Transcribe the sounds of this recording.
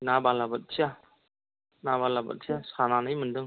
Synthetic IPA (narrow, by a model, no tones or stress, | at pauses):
nabalabɐt̚sʰija | nabalabɐ̰t̚sʰijasananɯjmɯndɯŋ